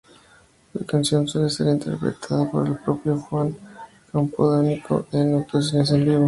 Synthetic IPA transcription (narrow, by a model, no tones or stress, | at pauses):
lakansjo̞nswelese̞ɾint̪ʰeɾpɾḛt̪ʰaðapo̞ɾelpɾo̞pjoxwaŋ | kampoðonikʰo̰enawt̪os̬ines̬enbiβo